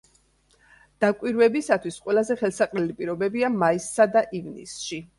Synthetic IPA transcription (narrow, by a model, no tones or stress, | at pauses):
d̪̥akʼwiɾvɛbisat̪ʰwisqʼwɛlˠazɛχɛlˠsaqʼlɛlipʼiɾɔbɛbiamaisːad̪aʔivnḭsʃi